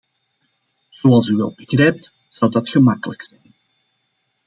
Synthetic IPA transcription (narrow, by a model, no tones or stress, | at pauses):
z̥oɑlˠsyʋɛ̰lˠbəɣrɛjp̚t | z̥ʌwdɑtχəmɑkələksɛjn